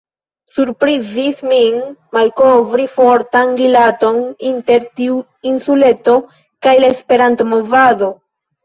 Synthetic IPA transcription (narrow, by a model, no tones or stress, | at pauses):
suɾpɾizisminmalko̞vɾifo̞ɾtanɡilato̞ninte̞ɾtiu | insule̞to̞ | kajlaespe̞ɾantomo̞vado̞